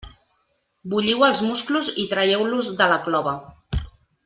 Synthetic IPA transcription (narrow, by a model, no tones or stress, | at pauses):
buʎiwəlˠzmuskluzit̪ɾajɛwluzðələklɔβə